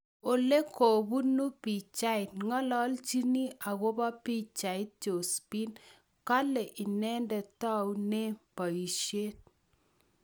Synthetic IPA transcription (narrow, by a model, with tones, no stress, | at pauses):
o˨le˦ko˨bu˦nu˦pi˨t͡ʃa˦ɪ˨tŋɔ˦lɔ˦lt͡ʃi˦ni˦a˨ɣo˦ba˦pi˦t͡ʃa˨ɪ˦t̚t͡ʃo˨spi˦n | ka˦lɛ˨ʔɪ˨nɛ˦ndɛ˨ta˦wne˦pɔ˨i˨ʃe˦t̚